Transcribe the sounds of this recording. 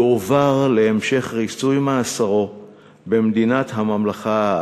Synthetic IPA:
ovaʁleːmʃe̞χʁisujmaːsaʁo̞ | bemd̪inat̪ɦamamlaχa

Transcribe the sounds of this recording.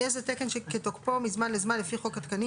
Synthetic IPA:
ezetekenʃeket̪okpomizmanlezmanlefiχo̞kat̪kani

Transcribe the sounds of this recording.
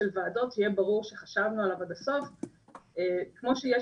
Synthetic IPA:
elvaːdo̞tʰijebaʁuʁʃeχaʃavnualavad̪aso̞f | ekmo̞ʃejɛ

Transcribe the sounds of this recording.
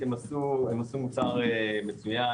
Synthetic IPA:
emasuemasumut͡saʁemet͡suja

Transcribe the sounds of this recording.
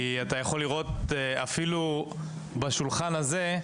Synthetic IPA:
iat̪ajaχo̞liʁo̞t̪̚a̰filu | baʃulχanaze̞

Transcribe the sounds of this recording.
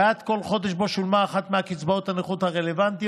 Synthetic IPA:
at̪ko̞lχo̞d̪eʃbo̞ʃulmaːχat̪meakit͡sbaot̪haneχut̪haʁelevant̪i

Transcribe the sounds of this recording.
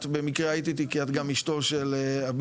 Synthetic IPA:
t̪bemikʁeajit̪it̪ikiat̪ɡamiʃto̞ʃeleab

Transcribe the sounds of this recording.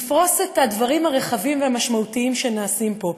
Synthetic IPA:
fʁo̞se̞tadvaʁimhaʁe̞χavimveamaʃmautiimʃe̞naːsimpo̞

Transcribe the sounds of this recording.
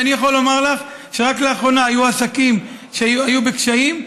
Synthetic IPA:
anijaχo̞lːo̞maʁlaχ | ʃe̞ʁakleaχʁo̞naːjuasakim | ʃeajube̞kʃaim

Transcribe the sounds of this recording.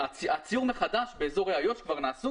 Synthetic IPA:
at͡sijuʁməχadaʃbeezoʁeajoʃkvaʁnaːsu

